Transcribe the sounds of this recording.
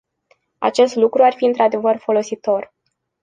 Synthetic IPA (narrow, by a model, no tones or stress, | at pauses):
a̰t͡ʃe̞st̪lukɾuarfiɨnt̪ɾad̪e̞vərfo̞lo̞sit̪o̞r